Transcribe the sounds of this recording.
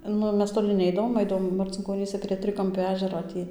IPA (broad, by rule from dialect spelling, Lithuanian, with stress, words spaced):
ˈnʊ ˈmʲɛs toːˈlʲɪ ˈnʲɛɪdɐʋoːm ˈɐɪdɐʋoːm mɐrʲt͡sʲɪŋkoːˈnʲiːsʲɛ pʲrʲiɛ ˈtʲrʲɪkɐmʲpʲoː ˈæːʒʲɛroː ˈtʲiː